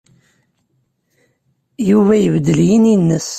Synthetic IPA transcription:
juvæjəvd̪əljininːəs

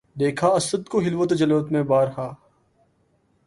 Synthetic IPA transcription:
d̪eːkʰaːɐsəd̪koɦɪlʋot̪d͡ʒɐlʋt̪mẽbaːɾhaː

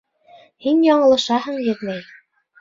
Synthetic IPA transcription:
hinjɒɴɤ̆lˠɤ̆ʃɑhɤɴjɘ̆ðmæj

